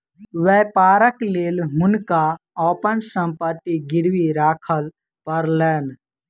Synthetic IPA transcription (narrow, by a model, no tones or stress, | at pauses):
ʋɛpaːɾəkleːlɦʊnka | ɔːpənsə̃mpət̪iɡɪɾwiɾaːkʰəl | pəɾleːn